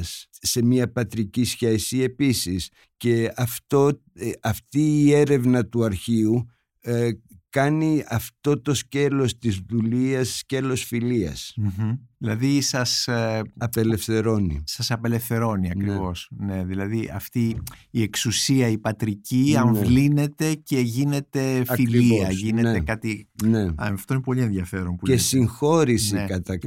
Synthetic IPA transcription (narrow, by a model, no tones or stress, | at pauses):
sː | e̞miɐpɐt̪ɾicisçesie̞pisis | ce̞ɐft̪o | ɐft̪iːe̞ɾe̞vnɐt̪uɐɾçiu | kɐniɐft̪o̞t̪o̞sce̞lo̞st̪izðuliɐssce̞lo̞sfiliɐ̰sm̩ðilɐðisɐsɐpele̞fθe̞ɾo̞nḭsɐsɐpe̞le̞fθe̞ɾo̞niɐkɾivo̞sne̞ðilɐðiʔɐ̰ft̪iie̞ksusiɐipɐt̪ɾiciɐɱvline̞t̪e̞ce̞ʝine̞t̪e̞filiiɐʝineekɐt̪ineɐɐft̪oinepo̞lie̞nðjɐfe̞ɾo̞mpuesiŋxo̞ɾisiekɐt̪ɐ